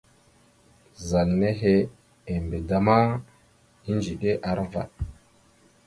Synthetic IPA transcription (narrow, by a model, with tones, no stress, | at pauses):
za˨lne˦ɦe˦ | e˨mbe˨da˨ma˦ | i˦nd͡ʒi˨ɗe˦ʔa˨ɾva̰˨t